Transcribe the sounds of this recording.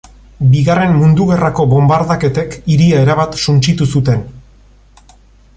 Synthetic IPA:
biɣare̞mmund̪uɣe̞rako̞βo̞mbaɾðake̞t̪e̞kiɾiae̞ɾaβat̪sunt͡ʃit̪usut̪e̞n

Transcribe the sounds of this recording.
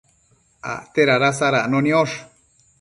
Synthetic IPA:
a̰t̪eɾaɾas̬aɾaʔnonioʂ

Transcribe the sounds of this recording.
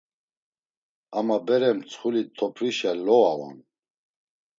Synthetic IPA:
amabɛɾɛmt͡sʰχulit̪ʰɔpʰɾiʃalɔava̰n

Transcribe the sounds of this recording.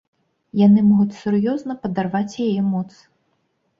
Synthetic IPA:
janɨmɔɣut͡sʲsurjɔznɐpɐd̪arvat͡sʲjajɛmɔt̪s

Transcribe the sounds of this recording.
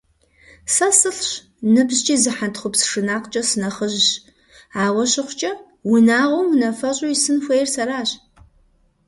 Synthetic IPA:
sɐsɨɬɕ | nɨbʑt͡ʃʼiːzɨħantχʷʊpsʂɨnaːqt͡ʃʼɐsɨnɐχəʑɕ | aːʁʷɔɕɪχʷʊt͡ʃʼɐ | winaːʁʷowmnɐfɐɕʼojisɨnxʷejrsɐɾaːɕ

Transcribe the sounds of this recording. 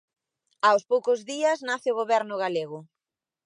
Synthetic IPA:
awspowkʊzðiɐsnaθɪʊɣoβɛɾnʊɣaleɣʊ

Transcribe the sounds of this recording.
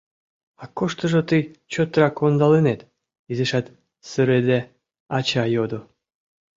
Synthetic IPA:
ɑkoʃt̪əʒot̪ɨjt͡ɕot̪ɾɑkond̪ɑlenet̪ | izeʃɑt̪ | sɨɾed̪e | ɑt͡ɕɑjod̪o

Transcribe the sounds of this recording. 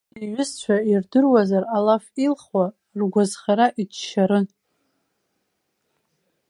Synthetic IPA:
iɥʊst͡ɕʷʰairdɨrwazaralafilχwa | rɡʷazχaɾaʔid͡ʒʃaɾɨn

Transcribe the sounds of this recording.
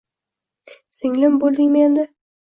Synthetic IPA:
sɪŋlɪmbolˠd̪ɪŋmend̪ɪ

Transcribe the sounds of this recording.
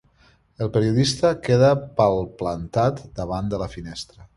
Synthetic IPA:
əlˠpəɾiuðist̪əkeðəpəlˠplənt̪at̪d̪əβand̪ələfinɛst̪ɾə

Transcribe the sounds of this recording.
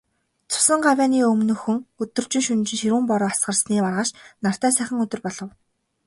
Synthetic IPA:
t͡sʰʊ̥sə̆ɴɢawʲæːniːɵmnɵ̆xɵ̆ŋɵt̪ɵ̆rt͡ɕɪ̆ŋʃɵnt͡ɕɪ̆ŋʃiɾuːmpɔɾɔːasɢə̆rsniːparʁaːʃnar̥t̪æːsæːχʲɪ̆ŋɵt̪ɵ̆rpɔɮɞ̆w

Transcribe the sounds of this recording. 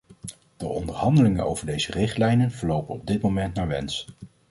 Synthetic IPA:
d̥əʔɔndəɹɦɑndəlɪŋəno̰wv̥əɹdejzərɪχtlɛjnənvəɹlowpənɔb̚dɪtmowmɛntnaːɹʋɛns

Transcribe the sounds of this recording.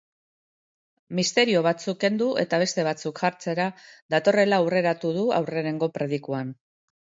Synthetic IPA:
mist̪e̞ɾio̞βat͡sukːe̞nd̪ue̞̰t̪aβ̞e̞st̪e̞β̞at͡sukʝaɾt͡se̞ɾaðat̪o̞re̞laːwre̞ɾat̪uð̞ua̰wre̞ne̞ŋɡo̞pɾe̞ð̞ikuan

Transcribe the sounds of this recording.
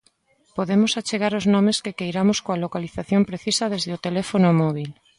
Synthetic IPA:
poðemosat͡ʃeɣ̞aɾoznõmeskekejɾamoskoalokaliθaθjompɾeθisɐð̞ezðeot̪elefonomɔβil

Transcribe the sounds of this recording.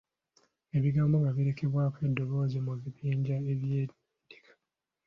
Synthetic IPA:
e̞βiɡaːmboŋɡaβiɾe̞kʰeβwaːkwe̞dːo̞βo̞ːzemuβiβiːɲɟaeβjeː | de̥kʰḁ

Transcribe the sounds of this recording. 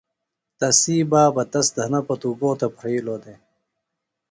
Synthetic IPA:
t̪ɐsiːbaːbɐt̪ɐsd̪ʱɐnɐpɐt̪uɡoːt̪ɐpʰɾiːloːd̪e

